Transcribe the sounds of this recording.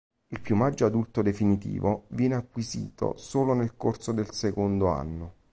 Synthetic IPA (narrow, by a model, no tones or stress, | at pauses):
ilpjumad͡ʒːoad̪ult̪od̪efinit̪ḭːvovjɛːneakːwizḭːt̪o̰soːlonelkorsod̪elsekond̪oa̰nːo